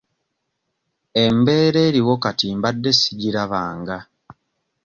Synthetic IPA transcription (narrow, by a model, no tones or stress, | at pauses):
embeːɾe̞ːɾiwokatiːmbadːe̞siɟiɾaβaːŋɡa